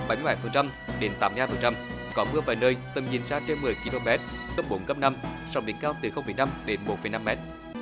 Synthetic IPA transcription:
ɓa˨˩jm˧jɓaː˨˩jfə˨˩nt͡ɕa˧m | ɗe˨˦nt̪aː˨˦mː˧haː˧˩fə˨˩nt͡ɕa˧m | kɔ˨˦mɨ˧əvaː˨˩jnəː˧jt̪ə˨˩mɲḭ˨˩ənsaː˧t͡ɕe˧nmɨ˨˩əjki˧lo˧mɛ˦˥t̚ | kə˦˥p̚ɓo˨˦nkə˦˥p̚na˧msa˧˩wŋ͡mɗḭ˨˦əŋkaː˧wt̪ɨ˨˩xə˧wŋ͡mfəː˨˩jna˧mɗe˨˦nmo˨˦˩t̚fə˨˩jna˧mːɛ˦˥t̚

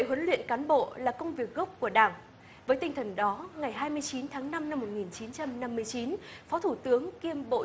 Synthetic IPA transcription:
ə˧˨jhwə˨˦nlwḭ˧˨ənkaː˨˦nɓo̰˧˨laː˨˩kə˧wŋ͡mvi˨˩ək̚ɣə˦˥k͡p̚ku˧˩əɗaː˧˩ŋ | vəː˨˦jt̪i˧ŋ̟t̪ʰə˨˩nɗɔ˨˦ŋa˨˩jɦaː˧jmɨ˧əjt͡ɕi˨˦nt̪ʰaː˨˦ŋna˧mna˧mːo˨˩t̚ŋi˨˩nt͡ɕi˨˦nt͡ɕa˧mna˧mːɨ˧əjt͡ɕi˨˦nfɔ˨˦t̪ʰu˧˩t̪ɨ˨˦əŋki˧əmɓo̰˧˨

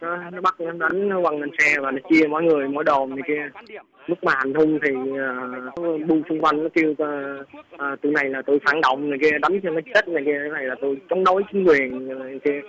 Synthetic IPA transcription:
nɔ˨˦nɔ˨˦ɓa˦˥k̚ɔ˨˦ɗa˨˦jŋ̟˧˦wa˧˩nnə˧˩nsɛ˧vaː˨˩nɔ˨˦t͡ɕi˧əmɔ̰˧˨˦jŋɨ˨˩əjmɔ̰˧˥jɗo˨˩mni˨˩ka˨˦ | mɨ˦˥k̚maː˨˩ha˨˩ŋ̟ɦʊ˧ŋ͡mt̪ʰi˨˩əː˨˩ɔ˨˦˧ɓu˧sʊ˧ŋ͡mkwa˧jŋnɔ˨˦k̪i˧əwʔəː˨˩t̪ṵ˧˩jna˨˩jlaː˨˩t̪o˧jfaː˧˩˦nɗə̰˧˨wŋ͡mni˨˩ki˨˦˧ɗa˨˦ŋkːmə˨˦t͡ɕə˦˥t̚na˨˩ki˧˨˦na˨˩jlaː˨˩t̪o˧jt͡ɕɔ˨˦ŋ͡mɗo˨˦jt͡ɕï˨˦ŋ̟kwi˨˩ən˨˩˨ki˧˦

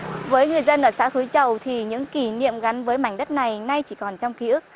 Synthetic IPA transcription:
vəː˨˦jŋɨ˨˩əjzə˧nʔəː˧˩sa̰ː˧˥t̪ʰu˨˦jt͡ɕə˨˩wt̪ʰi˨˩ɲɨ̰˧˥ŋki˧˩nḭ˧˨əmɣa˨˦nvəː˨˦jma̰˧˩jŋ̟ɗə˦˥t̚na˨˩jna˧jt͡ɕi˧˩kɔ˨˩nt͡ɕɔ˧wŋ͡mki˨˧˦ɨ˦˥k̚

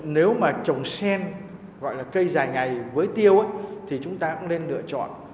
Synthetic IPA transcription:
ne˨˦wmaː˨˩t͡ɕə˨˩wŋ͡msɛ˧n | ɣɔ̰˧˨jlaː˨˩kə˧jzaː˨˩jŋa˨˩jvəː˨˦jt̪i˧əwʔə˨˦jt̪ʰi˨˩t͡ɕʊ˨˦ŋ͡mt̪aː˧kʊ̰˧˥ŋle˧nlɨ̰˧˨ət͡ɕɔ̰˧˨n

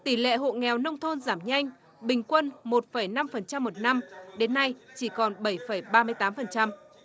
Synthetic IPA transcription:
t̪i˧˩lḛ˧˨ɦo̰˧˨ŋɛ˨˩wnə˧wŋ͡mt̪ʰo˧nzaː˧˩mɲa˧jŋ̟ | ɓï˨˩ŋ̟kwə˧nmo˨˩t̚fə˧˩jna˧mfə˨˩nt͡ɕa˧mːo˨˩t̚na˧mɗe˨˦nːa˧jt͡ɕi˧˩kɔ˨˩nɓə˧˩jfə˧˩jɓaː˧mɨ˧əjt̪aː˨˦mfə˨˩nt͡ɕa˧m

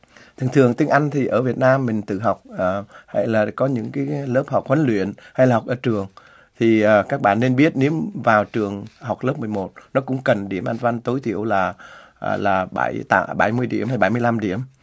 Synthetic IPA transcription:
t̪ʰɨ˨˩əŋt̪ʰɨ˨˩əŋt̪i˧ŋ̟ʔa˧jŋ̟t̪ʰi˨˩ʔəː˧˩vi˨˩ət̚naː˧mːï˨˩ŋ̟t̪ɨ̰˧˨ɦa˨˩wk͡p̚əː˨˩ha̰˧˨jlaː˨˩kɔ˨˦ɲɨ̰˧˥ŋkaː˨˦jlə˦˥p̚ha˨˩k͡p̚hwə˨˦nlwḭ˧˨ənha˧jlaː˨˩˨wk͡p̚ʔəː˧˩t͡ɕɨ˨˩əŋ | t̪ʰi˨˩ʔəː˨˩kaː˦˥k̚ɓa̰ː˧˨nːe˧nɓi˦˥ət̚ne˨˦mvaː˨˩wt͡ɕɨ˨˩əŋɦa˨˩wk͡p̚ləː˦˥p̚mɨ˨˩əjmo˨˩t̚nɔ˨˦kʊ̰˧˥ŋ͡mkə˨˩nɗi˧˩əmʔa˧nva˧nt̪o˨˦jt̪ʰḭ˧˨əwlaː˨˩ | ʔlaː˨˩ɓa̰˧˩jt̪aː˧˦ɓa˧˩jmɨ˧əjɗḭ˧˩əmha˧jɓa˧˩jmɨ˧ə˧la˧mɗi˧˩˨əm

